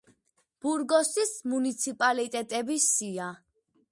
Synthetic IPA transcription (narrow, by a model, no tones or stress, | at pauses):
b̥uɾɡɔsismunit̪sʰipʼalit̪ʼɛt̪ʼɛbisia